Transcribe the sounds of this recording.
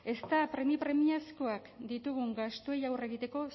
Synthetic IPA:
e̞st̪apɾe̞mipɾe̞miasko̞akd̪it̪uɣ̞uŋɡast̪ue̞jawre̞ɣ̞it̪e̞ko̞

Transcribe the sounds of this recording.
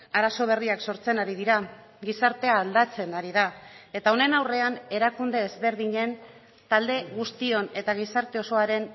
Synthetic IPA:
aɾaso̞β̞e̞riakso̞ɾt͡se̞naɾiðiɾa | ɡisaɾt̪e̞aːld̪at͡se̞naɾiðae̞t̪ao̞ne̞nawre̞ane̞ɾakund̪e̞ezβe̞ɾð̞iɲe̞n | t̪ald̪e̞ɣust̪io̞ne̞t̪aɣ̞isaɾt̪e̞o̞so̞aɾe̞n

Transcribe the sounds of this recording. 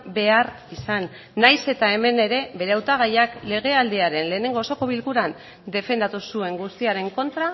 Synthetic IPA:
be̞aɾ | isanː | ajse̞t̪ae̞me̞ne̞ɾe̞βe̞ɾe̞awt̪aɣ̞ajakle̞ɣ̞e̞ald̪eaɾe̞nle̞ːne̞ŋɡo̞ːso̞ko̞β̞ilkuɾan | d̪e̞fe̞nd̪at̪usue̞ŋɡust̪iaɾe̞ŋko̞nt̪ɾa

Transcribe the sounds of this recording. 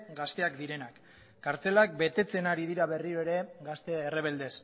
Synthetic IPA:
ɡast̪e̞akd̪iɾe̞nakː | aɾt͡se̞lak̚be̞t̪e̞t͡se̞naɾið̞iɾaβe̞riɾo̞eɾe̞ɡast̪e̞ere̞β̞e̞ld̪e̞s

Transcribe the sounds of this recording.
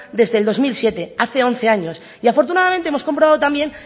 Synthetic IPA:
d̪e̞zðeld̪o̞zmilsje̞t̪e̞aθe̞o̞n̟θe̞aɲo̞s | iafo̞ɾt̪unaðament̪eemo̞sko̞mpɾoβaðot̪ambje̞n

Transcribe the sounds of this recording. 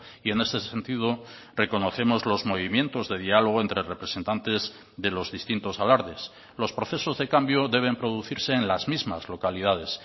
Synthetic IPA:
ie̞ne̞st̪e̞se̞nt̪ið̞o | re̞ko̞no̞θe̞mozlo̞zmo̞β̞imje̞nt̪o̞zðe̞ðialo̞ɣ̞oe̞nt̪ɾerepɾe̞se̞nt̪ant̪e̞z | ðe̞lo̞zðist̪int̪o̞salaɾðe̞s | lo̞spɾo̞θe̞so̞zðe̞kambjo̞ðe̞β̞e̞mpɾo̞ðuθiɾse̞ːnlazmizmazlo̞kalið̞að̞e̞s

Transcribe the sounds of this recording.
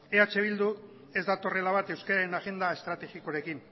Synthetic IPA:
e̞at͡ʃe̞β̞ild̪u | e̞zd̪at̪o̞re̞laβ̞at̪e̞wskaɾaɾenaɣe̞nd̪ae̞st̪ɾat̪e̞xikoɾe̞kin

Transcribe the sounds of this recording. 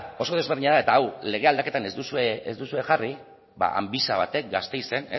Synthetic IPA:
o̞so̞ðe̞zβeɾðiɲaðaet̪aːwle̞ɣe̞ald̪ake̞t̪anezd̪usueezd̪usue̞xari | ba̰ʔa̰mbisaβ̞a̰t̪e̞k̚ɡast̪e̞jse̞ne

